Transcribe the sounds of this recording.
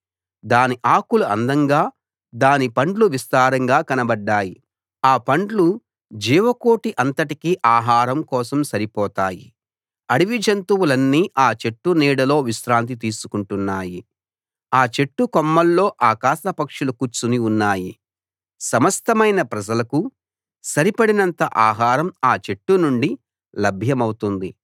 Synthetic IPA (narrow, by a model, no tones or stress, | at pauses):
d̪aːniʔaːkuluɐnd̪ɐŋɡaː | d̪aːnipɐɳɖluʋist̪aːɾɐŋɡaːkɐnɐbɐɖːaːji | aːpɐɳɖlu | d͡ʒiːʋɐko̞ːʈiʔɐnt̪ɐʈikiʔaːɦaːɾɐmkɔːsɐmsɐɾipɔːt̪aːji | ɐɽiʋid͡ʒɐnt̪uwulɐnːiːʔaːt͡ʃe̞ʈːuniːɽɐlo̞ːʋiʃɾaːnt̪̬it̪̬iːsu̥kuɳʈunːaːji | aːt͡ʃe̞ʈːukɔmːɐlːo̞ːʔaːkaːʃɐpɐkʂulukut͡ʃːuniunːaːji | sɐmɐst̪ɐmɐjnɐpɾɐd͡ʒɐlɐku | sɐɾipɐɽinɐnt̪ɐʔaːɦaːɾɐmaːt͡ʃe̞ʈːunuɳɖi | lɐbʱjɐmɐwut̪und̪i